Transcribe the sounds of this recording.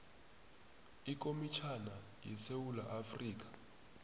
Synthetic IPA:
ik̬ʼomit͡ʃʰana | jɛsewulaʔafriːk̬ḁ

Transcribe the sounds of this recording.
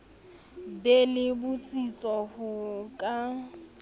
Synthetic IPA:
belɪbʊt͡sʼit͡sʼɔhʊkʼa

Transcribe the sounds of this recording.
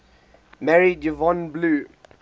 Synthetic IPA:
mɛɹid͡ʒəvɔ̃nbluː

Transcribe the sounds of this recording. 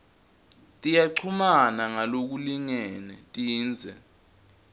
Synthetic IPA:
tʼijaǀʰumanaŋalok̬uliŋɛnɛtʼiːnd͡zʱɛ

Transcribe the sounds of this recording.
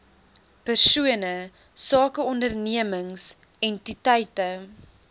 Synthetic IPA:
pərsuənə | sɑːkəɔndərniəməŋs | ɛntitɛjtə

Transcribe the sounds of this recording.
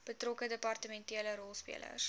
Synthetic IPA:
b̥ətrɔkədəpɐrtəmɛntiələɾɔlˠspḭələ̰s

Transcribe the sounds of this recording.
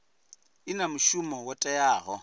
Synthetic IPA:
ɪnamʊʃumɔwɔtʼɛjaːɣɔ

